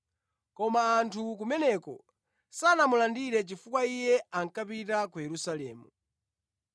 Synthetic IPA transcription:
kɔmaːntʰuk̬umɛnɛkɔ | sanamulandiɾɛt͡ʃifukwaijɛaŋ̩kapitakujɛɾusalɛ̰ːmu

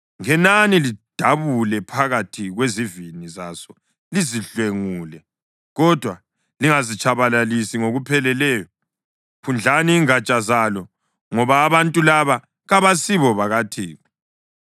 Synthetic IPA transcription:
ŋɛnanilid̥ʱaβulɛpʰaɣatʰiɣweziviniza̰sɔ | liziɬweŋuːlɛ | ɣɔd̥ʱwa | liŋazit͡ʃʰaβalalisiŋoɣupʰɛlɛlɛːjɔ | kʰund͡ɮʱaniːŋat͡ʃʼazalɔ | ŋɔβaːβantʼulaβa | ɣaβasiβɔβaɣatʰiːɣɔ

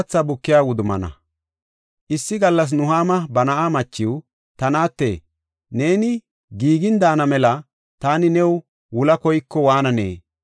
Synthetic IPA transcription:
t͡sːɐbʊkːɪjaːwʊd̪ʊmɐ̰nɐ̰ | ʔɪsːɪɡɐlːɐs̬nʊɦaːmɐbɐnɐʔamɐt͡ʃːɪw | t̪ɐnaːt̪ːḛː | ne̞ːnɪ | ɡiːɡɪnd̪aːnɐmɛlɐ | t̪aːnɪnɛw | wʊlɐkɔjkːɔwaːnɐnḛː

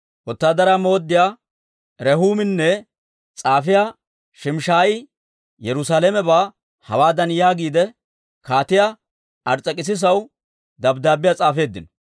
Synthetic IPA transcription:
ʔɔt̪ːaːd̪ɐɾamo̞ːd̪ːɪjaː | ɾɛhuːmɪnːɛ | t͡sʼaːfɪja | ʃɪmʃaːjɪ | jɛɾʊsaːlɛmɛbaː | hɐ̰waːd̪ɐnjaːɡiːd̪ɛ | kaːt̪ɪja | ʔɐɾt͡sʼːɐkʼɪs̬ɪs̬ɐw | d̪ɐbd̪aːbɪjaːt͡sʼaːfe̞ːd̪ːɪnɔ

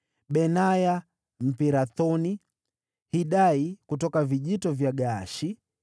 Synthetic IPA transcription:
ɓɛnaja | m̩piɾaθɔni | hiɗaikutɔkaviʄitɔvjaɡaːʃi

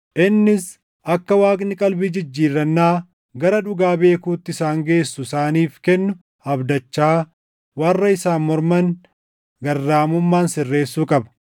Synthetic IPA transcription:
ʔɪnːɪs | ʔɐkːɐwaːkʼnɪkʼɐlbid͡ʒɪd͡ʒːiːɾːɐnːaː | ɡɐɾɐᶑʊɡaːbe̞ːkuːt̪ːɪsaːŋɡe̞ːsːʊɪsaːniːfkɛnːʊ | ɐbd̪ɐt͡ʃːaː | wɐrːɐɪsaːnmɔɾmɐn | ɡɐrːaːmʊmːaːnsɪrːe̞ːsːuːkʼɐbɐ̥

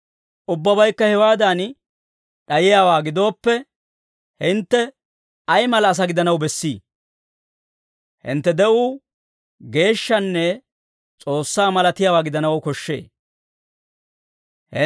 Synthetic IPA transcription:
ʔʊbːɐbɐjkːɐhɛwaːd̪an | ɗɐjɪjaːwaːɡɪd̪o̞ːpːɛ | hɪnt̪ːɛ | ɐjmɐlɐːs̬ɐɡɪd̪ɐnɐwbɛsːiː | hɪ̰nt̪ːɛd̪ɛʔuː | ɡe̞ːʃːɐnːɛ | t͡sʼo̞ːsːaːmɐlɐt̪ɪjaːwaːɡɪd̪ɐnɐwʊkɔʃːḛː | hɪ

